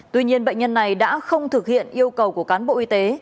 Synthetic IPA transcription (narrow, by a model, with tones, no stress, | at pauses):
t̪wi˧ɲi˧ənɓə̰˧˨ŋɲə˧nːa˨˩jɗa̰ː˧˥xə˧wŋ͡mt̪ʰɨ˨˩k̚hḭ˧˨ənʔi˧əwkə˨˩wku˧˩əkaː˨˦nɓo̰˧˨ʔi˧t̪e˨˦